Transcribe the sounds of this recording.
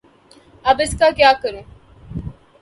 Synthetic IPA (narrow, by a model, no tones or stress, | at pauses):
ɐbeskaːkjaːkɐɾe